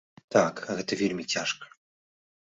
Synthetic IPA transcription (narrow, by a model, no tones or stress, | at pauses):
t̪akɣɛt̪ɐvʲelʲmʲit͡sʲaʂkɐ̥